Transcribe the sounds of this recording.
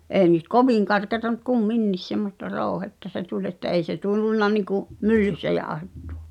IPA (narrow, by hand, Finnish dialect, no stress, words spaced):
ʔeː nyt koʋiˑŋ kɑrkeɑtɑ m̆ŭt kumːinːis semːostɑ roˑu̞hetːɑ se tulʲ etːæ ʔei se tulːunːɑ nikuʔ mylːysːæ jɑːŏhetːu̥ɑ̥